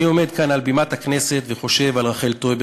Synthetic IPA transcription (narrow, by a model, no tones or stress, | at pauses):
io̞me̞d̪kanalbimat̪haknese̞t̪veχo̞ʃe̞valʁaχe̞lt̪ojb